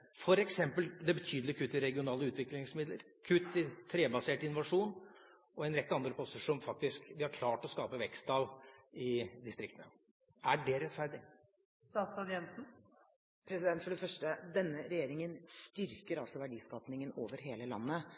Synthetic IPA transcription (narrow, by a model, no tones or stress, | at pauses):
fɔɾɛksɛmpəld̪ɛbət̪ʰyːd̪l̩ɪkʰʉt̪ːɪɾɛɡɪʊnɑːləʉːt̪ʋɪklɪŋsmɪd̪lə̰ɾ | kʰʉt̪ːɪt̪ʰɾeːbɑseːʈəɪnʋɑʂuːn | ɔɛɪnɾɛk̪ːəɑnd̪ɾəpʰɔsəʂɔmfɑk̚t̪ɪskʋɪhɑɾkʰlɑːʈɔskɑːpəʋɛkst̪ɑlɪd̪ɪst̪ɾɪkt̪nə̰ | æɖɛɾɛt̪fæɾɖɪ | st̪ɑːt̪sɑd̪jɛnsn̩ | pʰɾɛsɪd̪ɛnt̪fɔɖɛfœʂʈəd̪ɛnːəɾɛjeːɾɪŋənst̪ʏɾkəɾɑlsɔʋæɖiːskɑːpnɪŋəno̰ːʋəɾɦeːləlɑ̰nːə